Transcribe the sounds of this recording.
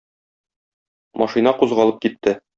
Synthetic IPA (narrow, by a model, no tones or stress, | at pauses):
mɒʃinɑquzʁɑlˠɤp̚kit̪ːɘ